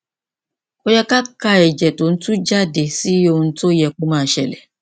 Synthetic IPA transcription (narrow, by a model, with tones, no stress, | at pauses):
o˦jɛ˦ka˦ka˧ɛ˨d͡ʒɛ˨to˨n̩˦tũ˦d͡ʒa˦de˨si˦o˧ũ˧n̩˦to˦jɛ˧ko˦mãː˦˨˦ʃɛ˨lɛ˨